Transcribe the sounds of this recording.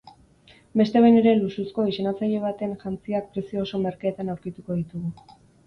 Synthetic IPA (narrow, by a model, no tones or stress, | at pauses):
be̞st̪e̞βajne̞ɾe̞lususko̞isenat͡saʎe̞β̞at̪e̞nʝant͡siak̚pɾe̞siooso̞me̞ɾkaːt̪anawɾkit̪uko̞ð̞it̪uɣu